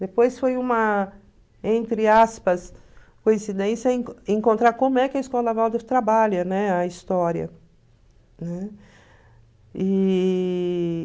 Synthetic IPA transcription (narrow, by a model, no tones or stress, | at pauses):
d̪epojsfojũmɐ | ẽnt̪ɾɪaspɐs | kõĩsid̪ẽsjɐĩẽŋkõnt̪ɾaɾkõmʊɛkɪɐiskɔlɐvawd̪eft̪ɾabaʎɐnɛɐist̪ɔɾiɐ̰ | nɛ | i